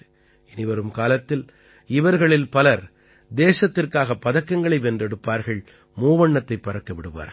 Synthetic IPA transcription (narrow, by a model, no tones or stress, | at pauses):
ɛnɪʋɐɾɯmkaːlɐt̪ːɪl | ɪʋɐɾɣɐɭɪlpɐlɐɾ | d̪eːsɐt̪ːɪrkaːɣɐpːɐðɐkːɐŋɡɐɭɐɪʋɛndrɛɽɯpːaːɾɣɐɭ | muːʋɐɳːɐt̪ːɐɪpːɐɾɐkːɐʋɪɽɯʋa̰ːɾɣɐ